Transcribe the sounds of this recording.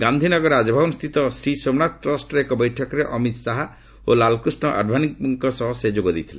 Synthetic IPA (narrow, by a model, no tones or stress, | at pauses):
ɡand̪ʱinɔɡɔɾad͡ʒɔbʱabɔnust̪ʰit̪ɔsɾisomnat̪ʈɾɔsʈekɔbɔjʈʰɔkɔɾeʔɔmit̪saɦa | olalɔkɾusɳɔʔa̰ɖbʱanik̚buŋkɔsɔɦɔsed͡ʒoɡɔd̪it̪ʰilḛ